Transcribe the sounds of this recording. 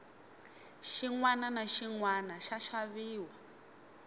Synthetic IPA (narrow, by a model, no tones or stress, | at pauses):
ʃiŋwananaʃiŋwanaʃaʃaβiːwa